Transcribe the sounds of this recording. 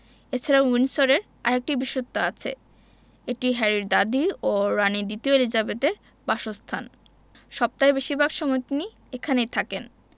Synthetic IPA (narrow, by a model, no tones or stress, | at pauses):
et͡ɕʰaɾawinsoɾeɾ | a̰ɾek̚ʈibiʃot̪ːoat͡ɕʰḛ | eʈiɦɛɾiɾd̪ad̪ioɾanid̪it̪iolid͡ʑabet̪eɾ | baʃost̪ʰan | ʃɔb̚t̪aebeʃibʱaɡʃɔmɔjt̪ini | ekʰanejt̪ʰaken